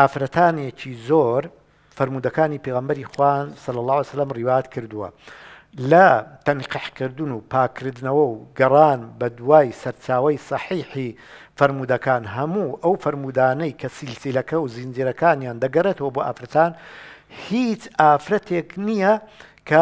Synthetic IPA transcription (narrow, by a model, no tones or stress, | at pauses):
ʔaːfɾɐt̪ʰaːnet͡ʃiːzoːɾ | fɐɾmuːd̪ɐkaːnipeɣɐmbɐɾixwansɐlːɐlˠˤːɑːhjsɐlːɐmriwaːjɐt̪kʰɨɾd̪uwɐ̰ | lɐt̪ɐnqiħkɨɾd̪ɨnuːpʰaːkʰɨɾd̪nɐwɐwɡɐrˤaːnbɐd̪waːjsɐɾt͡ʃaːwɐjsˤɑħiːħi | fɐɾmuːd̪ɐkaːnɦɐmuːʔɐwfɐɾmuːd̪aːnɐjkʰɐsilsilɐkɐwzind͡ʒiːɾɐkaːnjaːnd̪ɐɡɐret̪ɐwɐboʔa̰ːfɾɐt̪aːn | hit͡ʃʔaːfɾɐt̪ʰeːknijɐ | kʰɐ